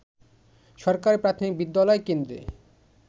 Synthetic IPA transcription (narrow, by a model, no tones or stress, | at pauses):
ʃɔɾkaɾpɾat̪ʰomik̚bid̪ːalɔekend̪ɾḛ